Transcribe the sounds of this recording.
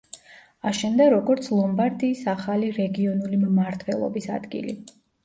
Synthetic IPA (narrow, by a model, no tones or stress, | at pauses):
aʃɛmd̪aɾɔɡɔɾt̪sʰlˠɔmbaɾd̪iːsaχaliɾɛɡiɔnulimmaɾt̪ʰwɛlˠɔ̰bisa̰d̪ɡḭlḭ